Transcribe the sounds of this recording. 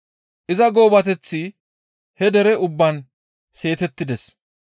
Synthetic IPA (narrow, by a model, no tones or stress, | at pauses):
ʔɪzɐɡo̞ːbɐt̪ɛt͡sːi | hɛd̪ɛɾɛʊbːɐn | se̞ːt̪ɛt̪ːɪd̪ɛs